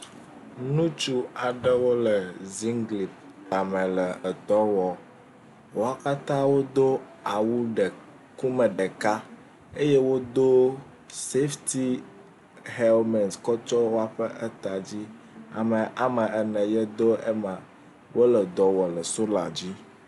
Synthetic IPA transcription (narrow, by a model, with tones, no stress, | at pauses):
nũ˦t͡ʃu˦a˨ɖə˦wo˦lə˨zi˦ŋɡli˨p̚ | t̪a˨mə̃˨lə˨ə˨d̪ɔ˦wɔ˨ | wo˦a˦ka˦t̪ã˦wo˦d̪o˦ | a˨wu˦ɖə˨ | ku˦mə̃˨ɖə˨ka˦ | e˦je˦wo˦d̪o˦ | se˦ft̪i˦ | hɛ˦lmɛ̃˨nskɔ˦t͡ʃɔ˦wo˦a˨ɸə˦ʔɛ˦t̪a˨d͡ʑi˦ | a̰˨mə̃˨ʔa˨mə̃˨ɛ˨nɛ̃˨jɛ˦d̪o˦ɛ˦mã˨ | wʔo˦lə˨d̪ɔ˨wɔ˨lə˨so˦la˨d͡ʑi˦